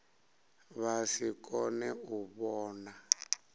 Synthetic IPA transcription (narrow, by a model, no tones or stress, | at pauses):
βasikʼɔnɛuβɔːna